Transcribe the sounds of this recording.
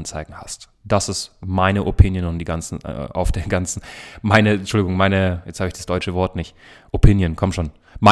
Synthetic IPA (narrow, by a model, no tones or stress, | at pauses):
nt͡saɪɡŋ̩hast | d̥asɪstmaɪnəʔopʰɪnjənʊnd̥iːɡant͡sn̩a̰ʊfd̥eːɐɡant͡sn̩maɪnət͡ʃːʃʊldɪɡʊŋmaɪnəjɛt͡sthaːbəɪçd̥ḁsd̥ɔʏt͡ʃəvɔɐtnɪçʔopʰɪnjənkʰɔmtʃoːn | ma